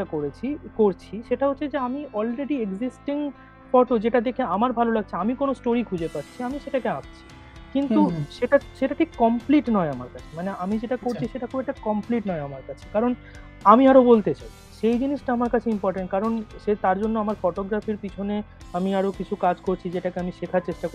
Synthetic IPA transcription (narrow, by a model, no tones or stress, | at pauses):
akoɾet͡ɕʰikoɾt͡ɕʰiʃeʈaɦotːʰed͡ʑeamiɔlɾeɖieɡzisʈiŋ | fɔʈod͡ʑeʈad̪ekʰeamaɾbʱalolaɡ̚t͡ɕʰiamikonosʈoɾikʰud͡ʑepatːɕʰiamiʃeʈakeaʃt͡ɕʰi̥ | kint̪uʃeʈaʃeʈaʈʰikːɔmpliʈnɔeamaɾkat͡ɕʰe̥maneamid͡ʑeʈakoɾt͡ɕʰiʃeʈakuɛk̚ʈakɔmpliʈnɔeamaɾkat͡ɕʰe̥kaɾon | amiaɾobolt̪et͡ɕajʰiʃejd͡ʑiniʃʈaamaɾkat͡ɕʰeimpɔɾʈeɳʈ̚kaɾonʃet̪aɾd͡ʑonːoamaɾfɔʈoɡɾafiɾpit͡ɕʰone | amiaɾokit͡ɕʰukad͡ʑkoɾt͡ɕʰid͡ʑeʈakeamiʃekʰaɾt͡ɕeʃʈako